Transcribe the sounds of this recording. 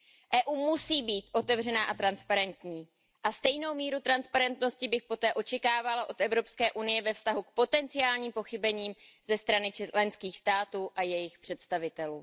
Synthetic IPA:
ʔɛːʔuːmusiːbiːt̪ʔo̞t̪ɛvr̝ɛnaːʔat̪ɾanspaɾɛnt̪ɲiː | ʔast̪ɛjno̞wmiːɾut̪ɾanspaɾɛnt̪no̞scɪbɪxpo̞t̪ɛːʔo̞t͡ʃɛkaːvalaʔo̞t̪ɛvɾo̞pskɛːʔunɪjɛvɛfst̪aɦuk̚po̞t̪ɛnt͡sɪaːlɲiːmpo̞xɪbɛɲiːmzɛst̪ɾanɪlɛnskiːxst̪aːt̪uːʔajɛjɪxpr̝̥ɛt̪st̪avɪt̪ɛluː

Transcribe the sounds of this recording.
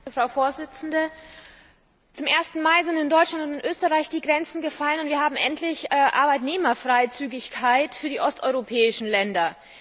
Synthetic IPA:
fʁ̥aʊfoːɐzɪt͡sn̩də | t͡sʊmʔeːɐstn̩maɪzɪntɪndɔʏt͡ʃlantʊntɪntʔøːstəʁaɪçd̥iːɡʁɛnt͡sn̩ɡəfalənʊntviːɐɦaːbm̩ʔɛntʰlɪçːʔa̰ɐbaɪtneːmɐfʁ̥aɪt͡syːɡɪçkʰaɪtfyːɐdiːʔɔstʔɔʏʁopʰɛːɪʃn̩lɛndɐ

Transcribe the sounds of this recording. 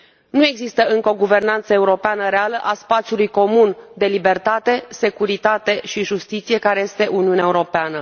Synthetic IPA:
nue̞ɡzist̪əɨŋkəo̞ɡuve̞rnant̪səe̞uɾo̞peanəɾealəʔaspat̪sijulujko̞mund̪e̞libe̞rt̪at̪e̞se̞kuɾit̪at̪e̞ʃiʒust̪it̪sije̞kaɾe̞je̞st̪e̞ʔuniuneaeuɾo̞peanə

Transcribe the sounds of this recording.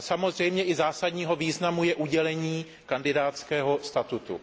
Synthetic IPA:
samo̞zr̝ɛjmɲɛʔɪzaːsadɲiːɦo̞viːznamujɛʔuɟɛlɛɲiː | kandɪdaːt̪t͡skɛːɦo̞st̪at̪ut̪ṵ

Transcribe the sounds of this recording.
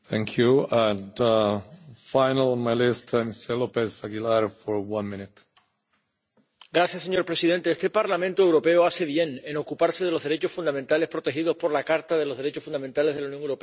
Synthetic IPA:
θæ̃ŋkʰjuə̃ndafaɪnələ̃nmajlɪstmistɛlopesaɡilaɾfɔɹwʌ̃nmɪ̃nɪt | ɡɾasjasːe̞ɲo̞ɾpɾe̞sið̞e̞nt̪e̞est̪e̞paɾlamẽnt̪oe̞wɾo̞pe̞oase̞β̞je̞neno̞kupaɾse̞ð̞e̞lozðe̞ɾe̞t͡ʃo̞sfund̪amẽnt̪ale̞spɾo̞t̪e̞xiðospo̞ɾlakaɾt̪aðe̞lozðe̞ɾet͡ʃo̞sfund̪ament̪ale̞zðe̞launjoŋewɾope

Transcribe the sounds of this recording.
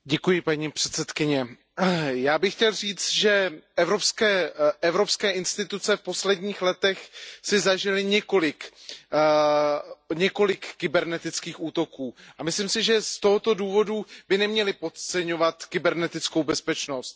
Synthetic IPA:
ɟɛkujɪpaɲiːpr̝̥ɛt̪t͡sɛt̪kɪɲɛ | jaːbɪxcɛlriːt͡st̪ʒɛɛvɾo̞pskɛːɛvɾo̞pskɛːʔɪnst̪ɪt̪ut͡sɛfpo̞slɛdɲiːxlɛt̪ɛxsɪzaʒɪlɪɲɛko̞lɪk | ɲɛko̞lɪkːɪbɛɾnɛt̪ɪt͡skiːxuːt̪o̞kuːʔamɪslimsɪʒɛst̪o̞ɦot̪o̞duːvo̞dubɪnɛmɲɛlɪpo̞t̪̚t͡sɛɲo̞vat̪kɪbɛɾnɛt̪ɪt͡sko̞wbɛspɛt͡ʃno̞st̪̚

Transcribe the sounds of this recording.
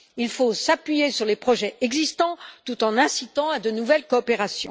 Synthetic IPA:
ilfosapɥijesyʁlepχɔʒɛɛɡzist̪ɑ̃t̪ut̪ɑ̃nɛ̃sit̪ɑ̃ad̪ənuvɛlkɔːpeʁasjɔ̰̃

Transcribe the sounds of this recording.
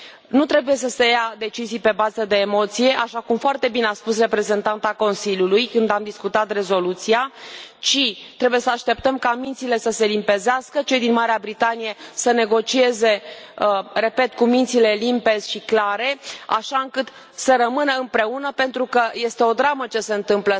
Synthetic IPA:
nut̪ɾe̞buje̞s̬əse̞jad̪e̞t͡ʃizijpe̞bazəd̪e̞ːmo̞t̪sije̞ʔaʃakumfoart̪e̞bineaspus̬re̞pɾe̞ze̞nt̪ant̪ako̞nsilʲjulujkɨnd̪amd̪iskut̪at̪re̞zo̞lut̪sijat͡ʃit̪ɾe̞buje̞səaʃt̪e̞p̚t̪əmkamint̪sile̞səse̞limpe̞zeaskət͡ʃe̞jd̪inmaɾeabɾit̪anije̞səne̞ɡo̞t͡ʃie̞ze̞ | re̞pe̞t̪kumint̪sile̞limpe̞zʲʃiklaɾe̞a̰ʃaɨŋkɨt̪ | səɾəmɨnəɨmpɾe̞unəpe̞nt̪ɾukəje̞st̪e̞o̞d̪ɾamət͡ʃe̞se̞ɨnt̪ɨmplə

